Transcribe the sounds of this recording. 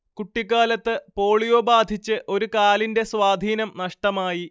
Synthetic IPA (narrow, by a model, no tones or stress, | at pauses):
kuʈːikːaːlɐt̪ːɨpo̞ːɭijo̞ːbaːd̪ʱit͡ɕːɨʔo̞ɾukaːlinde̞swaːd̪ʱiːnɐmnɐʂʈɐmaːji